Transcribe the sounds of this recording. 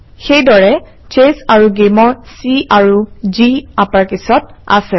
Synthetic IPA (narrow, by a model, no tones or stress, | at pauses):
xejdɔɹɛ | t͡ʃesaɹuɡemɔɹsiaɹuziapaɹkisɔt̚a̰sɛ